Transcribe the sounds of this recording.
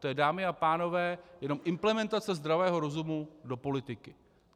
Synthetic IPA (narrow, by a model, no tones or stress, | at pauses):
t̪ojɛdaːmɪapaːno̞vɛːjɛno̞mʔɪmplɛmɛnt̪at͡sɛzd̪ɾavɛːɦo̞ɾo̞zumudo̞po̞lɪt̪ɪkɪ